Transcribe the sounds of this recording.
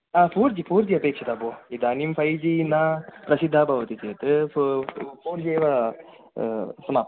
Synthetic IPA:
apuːɾd͡ʒipuːɾd͡ʒiɐpeːkʂɐt̪aboːid̪aːnimfʰɐjd͡ʒinaːpɾɐsid̪ʱːaːbʱɐʋɐt̪it͡ʃeːt̪ɨ | puːɾd͡ʒeːʋa | sɐmaːp

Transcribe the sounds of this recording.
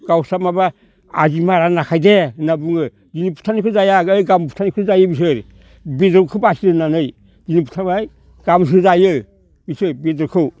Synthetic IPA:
ɡ̥awsamaba | ad͡ʒimaɾanakʰajdenabuŋɯ | d͡ʒinipu̥tʰanikɯzajaɡjɡampu̥tʰanikʰuzajɯbis̬ɯɾ | bidokʰɯbasiɾɯnanɯj | d͡ʒinipu̥tʰabaj | ɡ̥ams̬ɯzajɯ | bisɯbidɾkʰɯw

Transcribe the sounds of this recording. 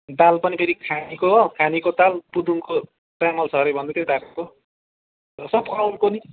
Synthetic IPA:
d̪alpʌnipʰeɾikʰanikoɦkʰanikot̪alpud̪ʱuŋko | ʈamʌlsʌɾʌjbʱʌnd̪et̪ed̪aɾko | sʌb̚kawɾkoni

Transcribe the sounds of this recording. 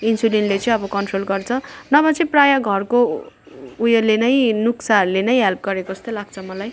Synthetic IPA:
insulinlet͡sʌĩʌbʌkʌnʈrolɡʌrt͡sʰʌnʌbʌt͡sʌĩprajaɡʱʌrko | ujʌlenʌj̃nuksaɦʌɾulenʌj̃ɦelp̚ɡʌɾekoʌst̪olaɡ̚t͡sʰʌmʌlaj

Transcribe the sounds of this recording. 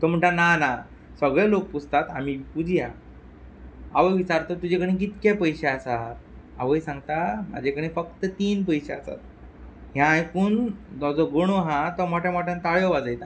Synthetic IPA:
t̪ɔm̤əɳʈanana | səɡɭɛlok̚pust̪at̪amipud͡zʱja | aʋəjʋit͡ɕaɾt̪ɔt̪ud͡ʑekəɽ̃ĩk̬it̪kẽpəjɕeasat̪̚ | a̰ʋəjsãŋɡt̪ama̰d͡ʑʱekəɽ̃ĩfəkt̪ət̪iːnpəjɕeasa̰t̪̚ | ɦjãːjkuːnd̪ɔd͡zɔɡoɽ̃oɦãt̪ɔmɔʈʰjamɔʈʰãnt̪aɭjɔʋad͡zajt̪a

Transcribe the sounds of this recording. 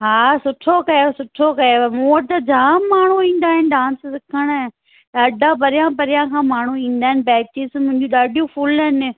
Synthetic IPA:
ɦaːsʊʈʰokɐjosʊʈʰokɐjomoːəʈt̪ɐd͡ʑaːmaːɳ̤uĩːn̆d̪aːɦɪnɪɖãːnssɪkʰəɽ̃ | t̪ɐɖʱãpɐɾɪjãpɐɾɪjãːkʰãːmaːɳ̤uĩːn̆d̪aːɦɪnɪbɛːt͡ʃɪsmʊ̃ɦɪ̃ɲd͡ʑũɗaːɖijũpʰʊlɦɪnɪ̆

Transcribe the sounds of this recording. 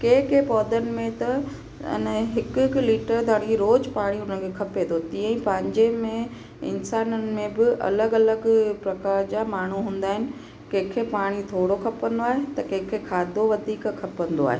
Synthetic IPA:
keːkeːpɔːd̪ənɪ̆mẽt̪ɐ | ɪ̰nəɦɪkkliːʈəɾd̪ʱaːɽ̃iɾoːd͡ʑpaːɽ̃iʊn̤əkʰekʰɐpet̪ʰot̪iə̃ĩpɐ̃ɦɪ̃ɲd͡ʑemẽ | ɪ̰nsaːnənɪ̆mẽbɪʔɐ̰ləɡɐləɡpɾɐkaːɾd͡ʑaːmaːɳ̤uɦũːn̆d̪aːɦɪnɪ̆ | kẽɦkʰepaːɽ̃it̪ʰoːɽokʰɐpə̃nd̪oaːɦet̪ɐkẽɦkʰekʰaːd̪ʱoʋɐd̪ʱiːkkʰːɐpə̃nd̪oa̰ːɦe

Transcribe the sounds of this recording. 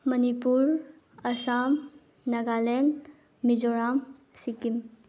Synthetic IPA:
mɐnipuɾ | ɐsam | nɐɡalen | mid͡ʒɔɾam | sikim

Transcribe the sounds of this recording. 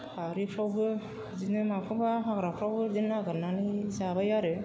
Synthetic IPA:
aɾipʰɾawbɯ | zinɯmapʰɯbaɦaɡɾapʰɾawbɯzinːaɡɯnanizabajaɾɯ

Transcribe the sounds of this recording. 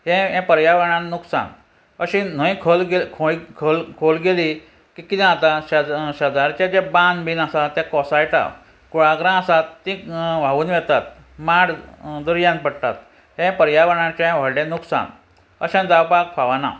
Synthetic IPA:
hɛ̃ɦɛ̃pəɾjaʋəɽãnnuksa̰n | əɕĩn̤əĩkʰolɡekʰoikʰolkʰolɡeli | kikit̪ɛ̃at̪aɕɕəd̪aɾt͡ɕad͡ʑebãnbiːnasat̪ɛ̃kɔsajʈa̰ | kuɭaɡɾãasat̪ːĩʋ̤aʋuːnʋɛt̪at̪̚ | maɽd̪uɾjãnpəɽt̪a̰t̪̚ | ɦɛ̃pəɾjaʋəɽãt͡ɕaɛ̃ʋ̤əɽɽẽnuksa̰n | əɕãd͡zawpakfaʋana̰

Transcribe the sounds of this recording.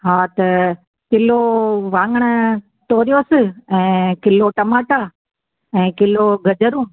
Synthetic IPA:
ɦaːt̪ɐ | kɪloʋãːŋɡəɽ̃ə | t̪oːɾijoːsɪɛ̃ːkɪloʈɐmaːʈaː | ɛ̃ːkɪloɡʱɐd͡ʒəɾũː

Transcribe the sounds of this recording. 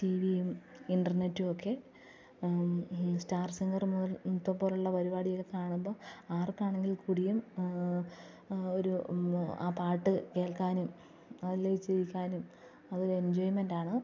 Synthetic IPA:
tiːʋijum | iɳɖɐrne̞tːuokʰːe̞ | staːrsiŋɡɐrmuðɐt̪ːopoːluɭːɐpɐɾibaːɽijoɣːekaːɳumbo̞ːaːrkːaːɳeŋɡilkuɽijum | oɾua̰ːpaːʈːɨke̞ːɭkaːnum | ɐðileit͡ɕːejikʲːaːnum | ɐðo̞ɾue̞nd͡ʑoːjmendaːɳɨ

